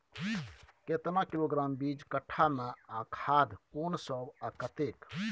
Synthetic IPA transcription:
ket̪nakiloɡɾaːmbid͡ʒkəʈʰːameakʰad̪koːnsəbakət̪ek

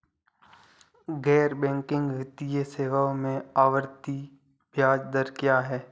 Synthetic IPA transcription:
ɡɛːɾbɛ̃ːŋkɪ̃ŋɡʋɪt̪ijeseːʋamẽaːʋəɾt̪i | bjaːd͡ʒd̪əɾkjaːɦɛː

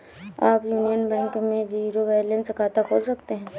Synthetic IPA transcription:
aːpjuːnijənbɛ̃ːŋkmẽziːɾoʋɛːlə̃nskʰaːt̪akɦoːsɐkt̪eɦɛ̃ː

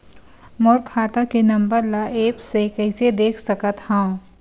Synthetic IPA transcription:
mɔːɾkʰaːt̪akenɐ̃mbəɾlaʔeːpsekɛɪsed̪eːkʰsɐkət̪hãː

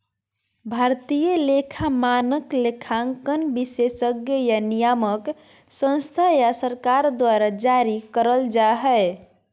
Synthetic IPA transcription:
bʱaɾt̪ijəlekʰamanəklekʰaŋkənbisesəɡjəjanijaməksə̃nst̪ʰajasəɾkaɾd̪waɾad͡ʒaɾikəɾəld͡ʒaɦɛ

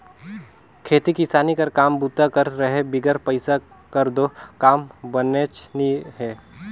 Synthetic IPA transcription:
kʰeːt̪ikisaːnikɐɾkaːmbuːt̪akɐɾɾəɦebɪɡəɾpəɪsa | kɐɾd̪okaːmbənet͡ʃniɦɛː

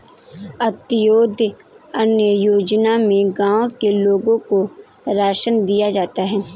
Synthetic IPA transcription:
ɐt̪ɪjoːd̪ʱ | ɐnjəjoːd͡ʒnamẽɡãːõkeloːɡõko | ɾaːʃənd̪ijad͡ʒaːt̪aɦɛː

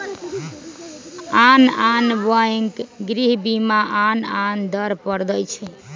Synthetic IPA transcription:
ananbəeŋkɡɾiɦbimaʔanand̪əɾpəɾd̪əjt͡ʃʰɛ

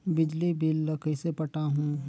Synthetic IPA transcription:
bɪd͡ʒlibilːəkəsepɐʈaɦũː

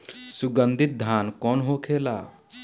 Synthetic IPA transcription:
suɡənd̪ʱit̪̚d̪ʱankɔnɦokʰela

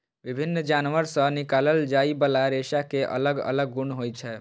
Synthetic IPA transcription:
bibʱinːd͡ʒanʋəɾsə̃nikaləld͡ʒaibəlaɾesakeʔə̰ləɡə̰ləɡːuɳɦojt͡ʃʰɛ

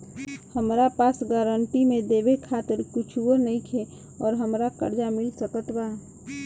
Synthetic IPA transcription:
həmɾapaːsɡaːɾəɳʈimẽd̪eːbekʰaːt̪ɪɾkʊt͡ʃʰuwənəĩkʰe | ɔːɾɦəmɾakə̰ɾd͡ʒamɪlsəkət̪baː

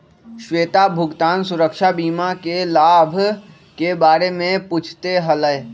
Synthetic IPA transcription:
ʃweːt̪abʱʊɡt̪aːnsʊɾəkʃabiːmakelaːbʱ | kebaːɾemẽput͡ʃʰt̪eɦələe

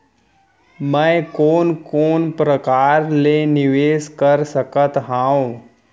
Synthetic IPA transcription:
məjkoːnkoːnpɾəkaɾleniʋeːskəɾsəkət̪ɦãõ

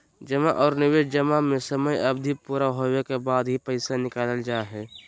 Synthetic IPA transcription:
d͡ʒəmaʔɔːɾnɪʋeːʃd͡ʒəmamẽsəməjɐbd̪ʱipuːɾaɦoːwekebaːd̪ɦipəɪsanɪkaːləld͡ʒaːeɦɛː

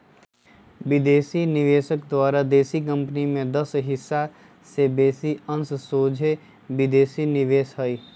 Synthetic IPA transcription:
ʋɪd̪eːsinɪʋeːsəkd̪waːɾad̪eːsikə̃mpnimẽd̪ɐsɦɪsːa | sebeːsiə̃nssoːd͡ʒʱe | ʋɪd̪eːsinɪʋeːsɦəi

